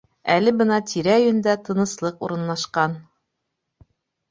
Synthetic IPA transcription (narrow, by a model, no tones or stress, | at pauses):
ælɘbɤnɑt̪ʰiɾæɵ̆jɵ̆nd̪æt̪ɤ̆nɤ̆slˠɤqṵɾɤ̆nlˠɑʃqɑn